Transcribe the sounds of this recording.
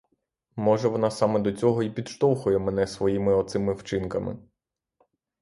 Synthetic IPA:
mɔʒɛʋɔnɑsɑmɛd̪ɔt͡sʲɔɦɔipʲid̪ʃt̪ɔwxʊjɛmɛnɛsʋɔjimɪɔt̪sɪmɪwt͡ʃɪnkɐmɪ̰

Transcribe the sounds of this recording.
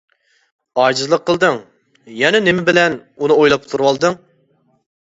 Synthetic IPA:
ɑːd͡ʒɨzlˠəqʰːəlˠd̪ɨŋ | jɛnɛnɪmɪbɪlɛnunɨojlˠɑp̚t̪ʰuɾwɑlˠd̪ɨŋ

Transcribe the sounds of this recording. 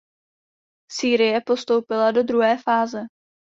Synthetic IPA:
siːɾɪjɛpo̞st̪o̞wpɪlado̞d̪ɾuɦɛːfaːzɛ

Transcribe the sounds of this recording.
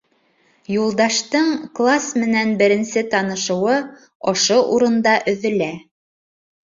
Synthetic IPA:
julˠd̪ɑʃt̪ɤɴklˠasmɘ̆nænbɘ̆ɾɘ̆nsɘt̪ɑnɤ̆ʃɤ̆wɤ | oʃoʔuɾɤ̆nd̪ɑʔɵ̆ðɵ̆læ

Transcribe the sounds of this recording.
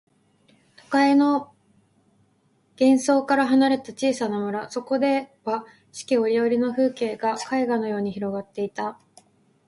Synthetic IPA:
t̪o̞kae̞no̞ | ɡ̥ẽ̞ɰ̃so̞ːkaɾaɦanaɾe̞t̪at͡ɕiːsanamoɾaso̞ko̞d̪e̞βa | ɕi̥kʲio̞ɾʲio̞ɾʲino̞ɸɯ̟ːke̞ːɡakaiɡano̞jo̞ːɲ̟içiɾo̞ɡat̪ːe̞it̪a

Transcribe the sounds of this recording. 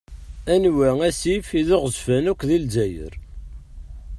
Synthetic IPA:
ænwææsifiðoʁzfænukʷːðilzæjə̰ɾ

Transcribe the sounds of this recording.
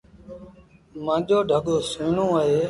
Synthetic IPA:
mãːʄoːɖʱəɠoːsĩːɳõːəɦeː

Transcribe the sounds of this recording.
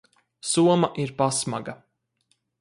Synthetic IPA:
suɔmaʔiɾpasmaɡa

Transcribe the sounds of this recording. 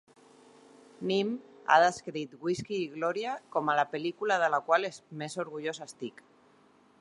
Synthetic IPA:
nima̰ðəskɾit̪ɣwiskiːɣlɔɾjakomalapelikulaðəlakwalezmesoɾɣuʎosaest̪ik

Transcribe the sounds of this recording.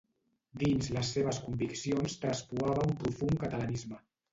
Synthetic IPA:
d̪inzləsːeβ̞əskumbiksionst̪ɾəspuaβəumpɾufuŋkət̪ələnizmə

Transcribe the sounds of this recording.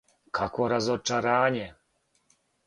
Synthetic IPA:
kʰakwɔɾazɔt͡ʂaɾaɲɛ

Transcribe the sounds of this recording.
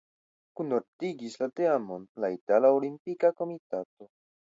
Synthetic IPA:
kunoɾtiɡislateamo̞nlaitalaolimpikako̞mitato̞

